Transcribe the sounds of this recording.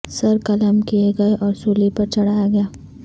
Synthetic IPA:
sɐɾkɐləmkieɡɐeʔɔːɾsuːlipɐɾt͡ʃɐɽ̤aːjaɡɐjaː

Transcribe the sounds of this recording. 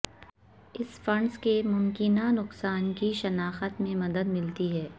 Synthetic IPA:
ɪsfɐ̃ɳɖskemʊmkɪnanʊqsaːnkiʃɐnaːxət̪mẽmɐd̪əd̪mɪlt̪iɦɛː

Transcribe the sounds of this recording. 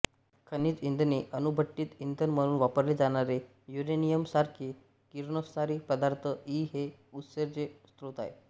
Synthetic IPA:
kʰəniːt̪ind̪neʔənubʱəʈ̪ːiːt̪ind̪ʱənm̤əɽ̃ũːnʋapəɾled͡zaɽ̃aɾe | juɾenijəmsaɾkʰi | kiɾnəsaɾiːpəd̪aɾt̪ʰəiːɦe | ut̪səɾt͡sest̪ɾot̪aḛ

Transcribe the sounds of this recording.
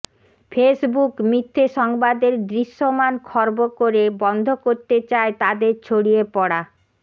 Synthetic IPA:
fʰesbukmɾit̪ʰːeʃɔŋbad̪eɾd̪ɾiʃːomankʰɔɾbokoɾebɔnd̪ʱokoɾt̪et͡ɕaet̪ad̪eɾt͡ɕʰoɽiepɔɽa

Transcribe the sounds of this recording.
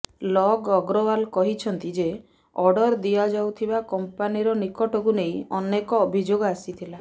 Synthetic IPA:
lɔɡɔɡɾɔwalkɔɦit͡ʃʰɔnt̪id͡ʒe | ɔɖɔɾd̪iad͡ʒawt̪ʰibakɔmpaniɾɔnikɔʈɔkuneĩɔnekɔːbʱid͡ʒoɡɔasit̪ʰila

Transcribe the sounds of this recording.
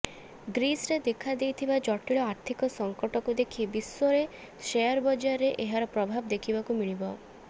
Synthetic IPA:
ɡɾisɾed̪ekʰad̪ejt̪ʰibad͡ʒɔʈiɭɔaɾt̪ʰikɔsɔŋkɔʈɔkud̪ekʰibiswoɾe | ʃejɔɾbɔd͡ʒaɾeʔeɦaɾɔpɾɔbʱabɔd̪ekʰibakumiɭ̃ibɔ

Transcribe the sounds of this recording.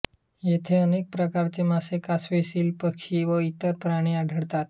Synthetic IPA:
jet̪ʰeənek̚pɾəkaɾt͡semasekasʋesiːlpəkʃiːʋəit̪əɾpɾaɽ̃iaɖʱəɽt̪at̪

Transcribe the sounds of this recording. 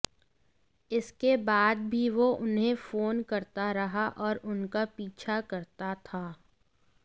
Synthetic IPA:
ɪskebaːd̪̚bʱiʋoʔʊnɦẽfoːnkɐɾt̪aɾɐɦaʔɔːɾʊnkapiːt͡ʃʰakɐɾt̪at̪ʰaː

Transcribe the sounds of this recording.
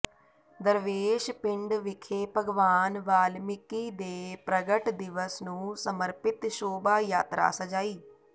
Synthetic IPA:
d̪əɾʋeːʃpɪ̃ɳɖʋɪkʰeːpəɡʋaːnʋaːlmɪkiːd̪eːpɾəɡəʈd̪ɪʋəsnũːsəməɾpɪt̪ʃoːbaːjaːt̪ɾa̰ːsəd͡ʒaːiː

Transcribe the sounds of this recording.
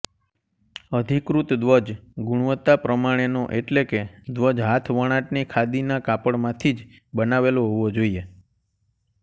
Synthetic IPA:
əd̪ʱikɾut̪d̪ʋəd͡ʒɡuɽ̃ʋət̪ːapɾəmaɽ̃enoʔeʈleked̪ʋəd͡ʒɦat̪ʰʋəɽ̃ãʈnikʰad̪inakapəɽmãt̪ʰid͡ʒ | bənaʋeloɦoʋod͡ʒoie

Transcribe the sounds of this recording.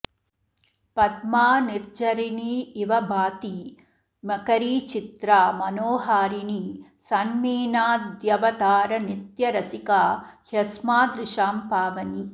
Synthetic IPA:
pɐt̪maːniɾd͡ʒɐɾiniːʋɐbʱaːt̪i | mɐkɐɾiːt͡ʃit̪ɾaːmɐnoːɦaːɾinisɐnmiːnaːd̪jɐʋɐd̪aːɾɐnit̪jɐɾɐsikaːhjɐsmaːd̪ɾɪʃaːmpaːʋɐni

